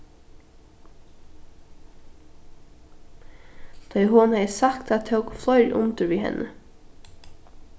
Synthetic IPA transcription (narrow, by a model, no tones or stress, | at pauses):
d̪̥ɑɪhʊnhɛjsɑkt̪ɑt̪t̪ʰəʊkflœʏɾʔʊ̰nt̪əɾʋiːhɛ̰nʔə